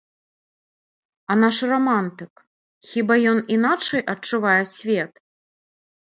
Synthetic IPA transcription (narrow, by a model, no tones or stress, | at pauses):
ɐnaʂramant̪ɨk | xʲibajɔninat͡ʂɐjʔɐt͡ʂuvajɛsʲvʲɛt̪